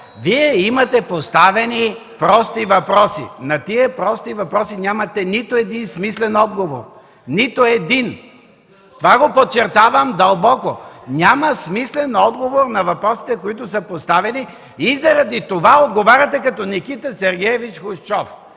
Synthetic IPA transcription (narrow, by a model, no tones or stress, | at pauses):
viɛimɐt̪ɛpost̪avɛnipɾɔst̪ivɐpɾɔsḭnɐt̪iɛpɾɔst̪ivɐpɾɔsinʲamɐt̪ɛnit̪oɛd̪insmislɛnɔd̪ɡovo̰ɾ | nit̪oɛd̪in | t̪ovaɡopot̪̚t͡ʃːɛɾt̪avɐmd̪ɐlˠbɔkonʲamɐsmislɛnɔd̪ɡovoɾnɐvɐpɾɔsi̥t̪ɛkoit̪ʊsəpost̪avɛni | izɐɾɐd̪it̪ovaod̪ɡovaɾʲɐt̪ɛkɐt̪ɔnikit̪ɐsɛɾɡʲɛjɛvit͡ʃxʊʃt͡ʃɔf